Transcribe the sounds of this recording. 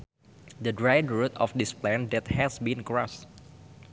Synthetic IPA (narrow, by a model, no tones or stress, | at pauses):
dədɹajdɹut̪ɔfdɪsplɛ̃ndɛt̚hɛsbĩnkɹɔs